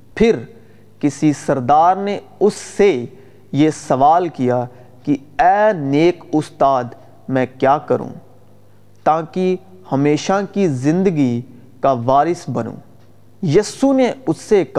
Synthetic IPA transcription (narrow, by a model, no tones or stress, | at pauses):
pʰɪɾ | kɪsisɐɾd̪aːɾne | ʊsːe | jesɐʋaːlkija | kiɛːneːkʊst̪aːd̪ | mɛ̃kjaːkɐɾṵ̃ː | t̪aːki | hɐmeːʃakizɪ̃nd̪əɡi | kaʋaːɾɪsbɐnṵ̃ː | jɐːsuneʊsːek